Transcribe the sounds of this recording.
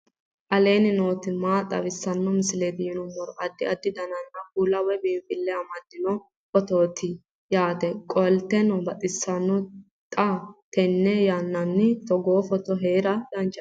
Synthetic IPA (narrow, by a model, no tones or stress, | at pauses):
ʔɐle̞ːnɪno̞ːt̪ɪmaːt̪ʼɐ̰wɪsːɐnːɔmɪsɪle̞ːd̪ɪjɪnʊmːɔɾɔʔɐd̪ːɪɐd̪ːɪd̪ɐnɐnːɐkuːlɐwɛbiːmfɪlːɛɐmɐd̪ːɪnɔ | fɔt̪o̞ːt̪ɪ | jaːt̪ɛkʼɔlt̪ɛnɔbɐt̪ʼɪsːɐnːɔ | t̪ʼat̪ɛnːɛjanːɐnːɪt̪ɔɡoːfɔt̪ɔɦeːɾɐd̪̥ɐnt͡ʃʼːɐ